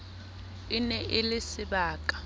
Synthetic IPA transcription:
ɪnɛʔɪlɪsɪɓaːkʼḁ

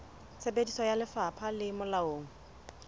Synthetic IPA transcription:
t͡sʰebedisɔjalɪfapʰalɪmʊlaoːŋ̩

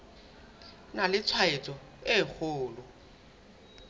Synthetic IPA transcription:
nalɪt͡sʰwaɪt͡sʼɔ | ɪk͡xʰʊːlɔ

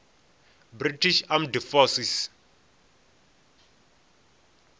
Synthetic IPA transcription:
britʰiʃamdifɔsis

